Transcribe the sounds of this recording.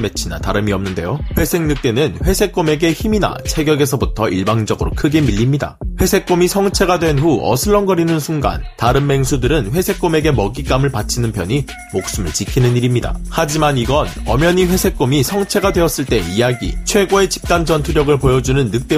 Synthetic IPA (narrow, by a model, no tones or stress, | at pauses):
me̞t͡ɕʰina̰taɾɯmiʌmnɯnde̞joɸwe̞sʰe̞ŋnɯk̚t͈e̞nɯnɸwe̞sʰe̞k͈ome̞ɡe̞çimina̰t͡ɕʰeɡjʌɡe̞sʰʌbutʰʌiɭbaŋd͡ʑʌɡɯɾokʰɯɡe̞miʎːimɲida̰ɸwe̞sʰe̞k͈omisʰʌŋt͡ɕʰe̞ɡadwe̞nɸuʌ̰sʰɯɭːʌnɡʌɾinɯnsʰuŋɡa̰ntaɾɯmːe̞ŋsʰudɯɾɯnɸwe̞sʰe̞k͈ome̞ɡe̞mʌɡik͈amɯɭpat͡ɕʰinɯnpjʌɲi | mok̚s͈ɯmɯɭt͡ɕikʰinɯniɾimɲida̰had͡ʑimaniɡʌnʌmjʌɲiɸwe̞sʰe̞k̚k͈omisʰʌŋt͡ɕʰe̞ɡadwe̞ʌs͈ɯɭt͈e̞ijaɡḭt͡ɕʰwe̞ɡoe̞t͡ɕi̥p̚t͈and͡ʑʌntʰuɾjʌɡɯɭpojʌd͡ʑunɯnːɯk̚t͈e